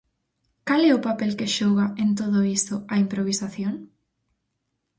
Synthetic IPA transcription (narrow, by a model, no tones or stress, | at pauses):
kalɛʊpapɛlkeʃɔɣɐent̪oðʊist̪ʊɐimpɾoβisaθjoŋ